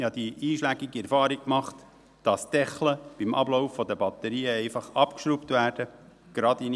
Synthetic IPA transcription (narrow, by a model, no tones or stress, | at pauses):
hɑd̥̪iʔiːʃlæɡiɡiɛɾfɑːɾikkmɑχt | d̥ɑsd̥ɛχləb̥imʔɑ̰blɔʊfːɔd̪əbɑt̪əɾiːəɛɪfɑχɑpkʃɾuptʋæːɾd̥ə | ɡ̥ɾɑdin